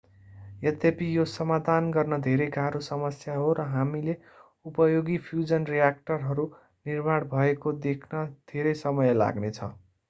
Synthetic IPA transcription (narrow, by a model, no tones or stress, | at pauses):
jʌt̪epijosʌmad̪ʱanɡʌrnʌd̪ʱeɾejɡʱaɾosʌmʌsjaɦoɾʌɦamile | upʌjoɡipʰjud͡zʌnrijak̚ʈʌrɦʌɾu | nirmaɽbʱʌekod̪ekʰnʌd̪̥ʱeɾʌjsʌmʌjla̰ɡnet͡sʰʌ̰